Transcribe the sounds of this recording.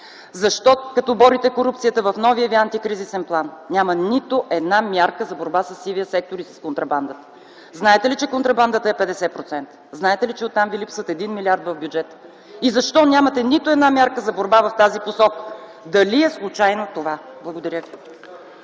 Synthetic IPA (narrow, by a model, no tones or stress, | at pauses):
zɐʃt̪ɔkɐt̪ɔbɔɾit̪ɛkoɾupt̪sijət̪əvɐfnɔvijəviant̪ikɾizisɛnplˠannʲjamənit̪oʔɛd̪namʲjaɾkəzɐboɾbasɐsːiviəsɛk̚t̪oɾisɐ̥skont̪ɾɐband̪ət̪ə̥ | znaɛt̪ɛlit͡ʃɛkont̪ɾɐband̪ət̪əɛpɛd̪ɛsɛpɾot̪sɛnt̪ə̥znaɛt̪ɛlit͡ʃɛot̪ːamvilipsvət̪ɛd̪inmilʲiaɾd̪vɐvbʲjud͡ʒɛt̪ə | izɐʃt̪ɔnʲjamət̪ɛnit̪oɛd̪namʲjaɾkəzɐboɾbavɐft̪aziposɔkə̥ | d̪ɐliɛslˠut͡ʃajnot̪ovablˠɐɡod̪ɐɾʲəvi